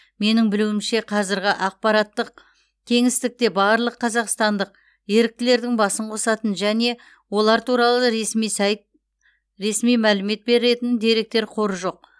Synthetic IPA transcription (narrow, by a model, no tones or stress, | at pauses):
me̞nɪŋbɪluwɪmʃe̞qʰɑzɪɾɡʲɪʔɑq̚pɑɾɑt̪ːəq̚ | kʲʰe̞ŋɪst̪ɪk̚t̪e̞bɑɾlˠəqʰːɑzɑqst̪ɑnd̪əq̚ | je̞ɾɪk̚t̪ɪle̞ɾd̪ɪŋbɑsəɴqʰo̞sɑt̪ənʒæne̞ | wo̞lˠɑɾt̪ʰuɾɑlˠəɾmisɑj | ɾe̞smijmælɪme̞t̪̚be̞ɾɪɾe̞t̪ɪnd̪e̞ɾe̞k̚t̪e̞ɾqʰo̞ɾəʒo̞q̚